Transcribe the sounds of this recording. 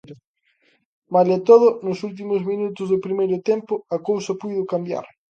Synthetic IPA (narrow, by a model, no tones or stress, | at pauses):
malɛt̪oðʊnʊsult̪̬imʊzmĩnut̪ʊzðʊpɾimejɾʊt̪empʊɐkowsɐpujðʊkambja̰ɾ